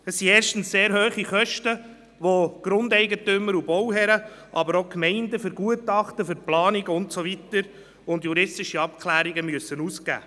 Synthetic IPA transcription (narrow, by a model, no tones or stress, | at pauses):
əsːieːɾʃtn̩sseːɾɦøːχiχœʃtə | ʋoɡ̥ɾʊndɛɪɡətʏməɾubɔwɦɛɾə | ʔɑbəɾokmɛɪndəfʏɾɡuətɑχtəfʏɾplɑːnɪɡəʊntsovitəɾ | ʊndjuɾɪstɪʃiɑp̚kʰlæːɾiɡəmyəsːənuːsɡæ̰ː